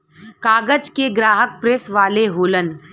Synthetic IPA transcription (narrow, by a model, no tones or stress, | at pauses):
kaːɡəd͡ʒkeɡɾaːɦək̚pɾesʋaːleɦoːlən